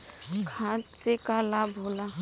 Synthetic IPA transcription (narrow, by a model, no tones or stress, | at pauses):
kʰãtsekalabɦola